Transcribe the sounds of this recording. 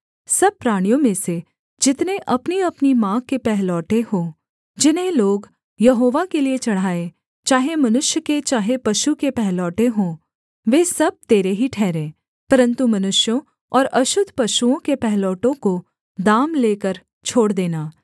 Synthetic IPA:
sɐb̚pːɾaːɽ̃ijõmẽse | d͡ʒɪt̪neʔɐpniɐpnimãːkkːepɛɦlɔːʈeɦõː | d͡ʒɪnɦẽloːɡ | jɐɦoːʋakeliet͡ʃɐɽ̤aːe | t͡ʃaːɦemɐnʊʃjəket͡ʃaːɦepɐʃukepɛɦlɔːʈeɦõː | ʋeːsɐb̚t̪eːɾeɦiʈʰɛːɾẽː | pɐɾə̃nt̪umɐnʊʃjõ | ɔːɾɐʃʊd̪ʱpɐʃuõkepɛɦlɔːʈõko | d̪aːmleːkəɾ | t͡ʃʰoːɽd̪eːnaː

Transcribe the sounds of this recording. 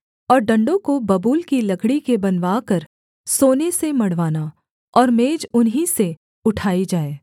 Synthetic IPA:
ɔːɾɖɐ̃ɳɖõkobɐbuːlkilɐɡɽikebɐnʋaːkɐɾ | soːnesemɐɽʋaːna | ɔːɾmeːd͡ʒʊnɦise | ʊʈʰaːid͡ʒaːeː

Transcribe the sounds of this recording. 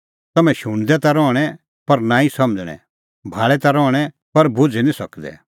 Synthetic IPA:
t̪ɐmɛ̃ʃʊɽ̃d̪ɛt̪aɾɔːɽ̃ɛ | pɐɾnaːisɐməd͡zɽ̃ɛ̰̃ | bʱaːɭɛt̪aɾɔːɽ̃ɛ | pɐɾbʱʊd͡zɛnĩsɐkd̪ɛ̰

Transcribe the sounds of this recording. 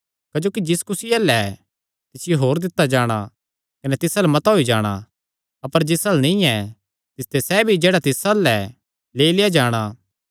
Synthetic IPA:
kɐd͡ʒoːkid͡ʒɪskʊsɪjɐlɛ | t̪ɪsɪjoɦoːɾd̪ɪt̪ːad͡ʒaːɽ̃a | kɐnɛt̪ɪsalɛmɐt̪ɦoːid͡ʒaːɽ̃a̰ | ɐpəɾd͡ʒɪsɐlnĩɛ | t̪ɪst̪esɛbʱid͡ʒeːɽat̪ɪsalɛ | leːilɪjad͡ʒaːɽ̃a

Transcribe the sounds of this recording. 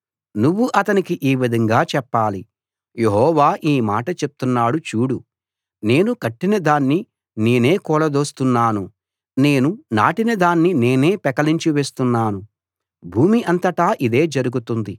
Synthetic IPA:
nuʋːuʔɐt̪ɐnikiʔiːʋid̪ʱɐŋɡaːt͡ʃɛpːaːli | je̞ɦɔːʋaːʔiːmaːʈɐt͡ʃe̞p̚t̪unːaːɽut͡ʃuːɽu | ne̞ːnukɐʈːinɐd̪aːnːi | ne̞ːne̞ːkɔːlɐd̪o̞ːst̪unːaːnu | ne̞ːnunaːʈinɐd̪aːnːine̞ːne̞ːpɛkɐliɲt͡ʃiʋe̞ːst̪unːaːnu | bʱuːmiʔɐnt̪ɐʈaːʔid̪e̞ːd͡ʒɐɾuɡut̪und̪i

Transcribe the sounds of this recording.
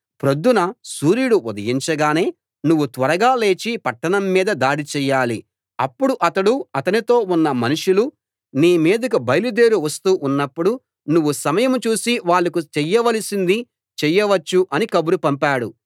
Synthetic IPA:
pɾod̪ːunɐsuːɾijuɽuud̪ɐɡiɲt͡ʃɐɡaːne̞ː | nuʋːut̪ʋɐɾɐɡaːle̞ːt͡ʃipɐʈːɐɳɐmːiːd̪ɐd̪aːɽit͡ʃɛːjːaːli | ɐpːuɽuʔɐt̪ɐɽuɐt̪ɐnit̪o̞ːunːɐmɐnuʂulu | niːmiːd̪ɐkubɐjlud̪eːɾuʋɐst̪uːʔunːɐpːuɽu | nuʋːusɐmɐjɐmt͡ʃuːsiʋaːɭːɐkut͡ʃɛjːɐʋɐlisind̪i | t͡ʃɛjːɐʋɐt͡ʃːuʔɐnikɐbuɾupɐmpaːɽu

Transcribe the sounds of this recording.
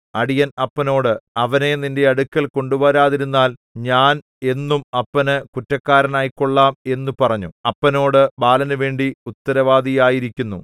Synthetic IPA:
ɐɽijɐnɐpːɐno̞ːɽɨɐʋɐne̞ninde̞ɐɽukːɐlko̞ɳɖuboːɾaːðiɾunːaːl | ɲaːn | e̞nːumɐpːɐnɨkutːɐkːaːɾɐnaːjikːo̞ɭːaːme̞nːupɐrɐɲːṵɐpːɐno̞ːɽɨbaːlɐnɨʋe̞ːɳɖiut̪ːɐɾɐʋaːd̪ʱijaːjiɾikʲːunːu

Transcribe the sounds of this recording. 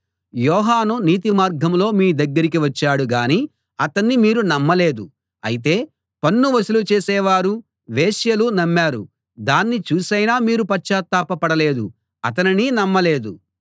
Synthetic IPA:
jɔːɦaːnuniːt̪imaːɾɡʱɐmlo̞ːmiːd̪ɐɡːɐɾik̬iʋɐt͡ʃːaːɽuɡaːniː | ɐt̪ɐnːimiːɾunɐmːɐle̞ːd̪u | ɐ̰jit̪̬e̞ː | pɐnːuʋɐsilut͡ʃeːsɛːʋaːɾu | ʋeːʃjɐlunɐmːaːɾṵ | d̪aːnːit͡ʃuːsɐjnaːmiːɾupɐt͡ʃːaːt̪ːaːpɐpɐɽɐle̞ːd̪u | ɐt̪̬ɐnininɐmːɐle̞ːd̪u

